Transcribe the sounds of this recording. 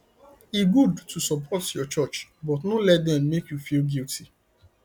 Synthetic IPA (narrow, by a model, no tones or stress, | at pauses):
iɡudtʰusɔpʰɔtjɔt͡ʃɔt͡ʃbɔtnolɛt̚dɛ̃mːekjufilɡiltʰi